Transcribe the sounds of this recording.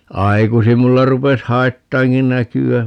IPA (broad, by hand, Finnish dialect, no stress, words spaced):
ɑikusim mulːɑ rupes hɑitːɑːŋki nækyæ